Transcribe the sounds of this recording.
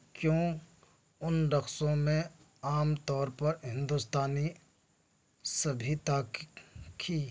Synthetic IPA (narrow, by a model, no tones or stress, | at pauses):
kjõː | ʊnɖ̪ɐxsõmẽ | aːmt̪ɔːɾpɐɾɦɪ̃nd̪ʊst̪aːni | sɐbʱit̪akkʰiː